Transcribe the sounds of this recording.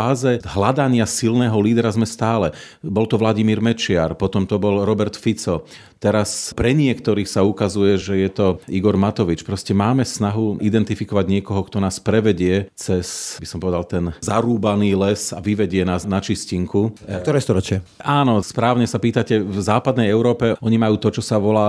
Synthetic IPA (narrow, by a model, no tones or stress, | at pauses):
aːzɛɦlad̪aɲɪasilnɛːɦɔliːd̪ɾazmɛst̪aːlɛ | bɔlt̪ɔʋlaɟimiːɾmɛt͡ʃɪaɾpɔt̪ɔmt̪ɔbɔlɾɔbɛɾt̪fit͡sɔ | t̪ɛɾaspɾɛɲɪɛkt̪ɔɾiːxsaukazujɛʒɛjɛt̪ɔiɡɔɾmat̪ɔʋit͡ʃpɾɔscɛmaːmɛsnaɦuʔid̪ɛnt̪ifikɔʋaɟɲɪɛkɔɦɔkt̪ɔnaːspɾɛʋɛɟɪɛt͡sɛsbisɔmpɔʋɛd̪alt̪ɛnzaɾuːbaniːlɛsaʋiʋɛɟɪɛnaːnat͡ʃisciŋkukt̪ɔɾɛːst̪ɔɾɔt͡ʃɪɛaːnɔspɾaːʊɲɛsapiːt̪acɛvzaːpad̪nɛjɛʊɾɔːpɛɔɲimajuːt̪ɔt͡ʃɔsaʋɔlaː